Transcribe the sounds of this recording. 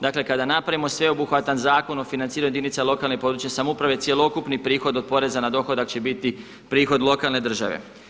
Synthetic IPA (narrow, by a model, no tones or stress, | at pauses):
d̪akle̞kad̪anapɾaʋimo̞sʋeo̞buxʋat̪anzaːko̞no̞finant̪iːɾaɲued̪init̪salo̞kalnepo̞d̪ɾut͡ɕesamoupɾaʋe̞t̪sje̞lˠo̞kupnipɾiːxo̞d̪opo̞ɾe̞zanad̪o̞xod̪akt͡ɕe̞bit̪i | pɾiːxo̞d̪lˠo̞kalˠne̞d̪r̩ʒa̰ʋḛ